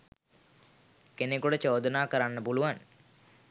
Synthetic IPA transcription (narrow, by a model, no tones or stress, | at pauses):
kenekuɽət͡ʃoːd̪ənaːkəɾanːəpuluʋan